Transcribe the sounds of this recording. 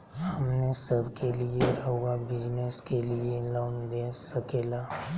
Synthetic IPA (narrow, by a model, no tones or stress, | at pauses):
həmnesəbʱkelieɾəɦuɡabɪd͡ʒneskelieloːnd̪esəkeːlaː